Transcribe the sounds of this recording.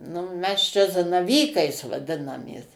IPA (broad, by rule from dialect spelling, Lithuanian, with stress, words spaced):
nʊ ˈmʲɛs t͡ʃʲɛ zɐnɐˈʋʲiːkɐɪs ʋɐˈdʲɪnɐmʲeːs